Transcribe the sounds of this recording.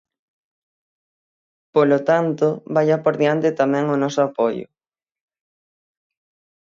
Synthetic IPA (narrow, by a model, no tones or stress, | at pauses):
polot̪ant̪ʊβaʎapoɾðjant̪ɪt̪amɛ̃ŋʊnɔsʊapojʊ̰